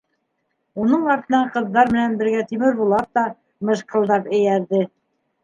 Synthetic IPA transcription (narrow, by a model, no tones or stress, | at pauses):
unɤɴɑɾt̪ɤ̆nɑɴqɤ̆ðːɑɾmɘ̆nænbɘ̆ɾɡæt̪imɘɾbulˠɑp̚t̪ɑ | mɤ̆ʃqɤ̆lˠd̪ɑpɘ̆jæɾðɘ